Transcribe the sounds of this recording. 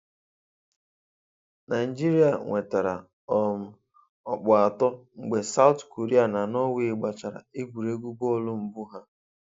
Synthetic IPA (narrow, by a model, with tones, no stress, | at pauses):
na˨i˨d͡ʒi˦ɾi˦a˨ŋʷe˨ta˨ɾa̰˨ | ɔ˨m̩˨ | ɔ˨k͡pɔ˨a˨tɔ˦ŋ͡m̩˨ɡ͡be˨sa˦ʊ˦tko˨ɾi˦a˨na˨nɔ˦we˦ɪ˦ɡ͡ba˨t͡ʃa˨ɾa̰˨i˦bu˨ɾe˦ɡʷu˦bɔ˦˨lʊ˦m̩˨bu˦ɦa˦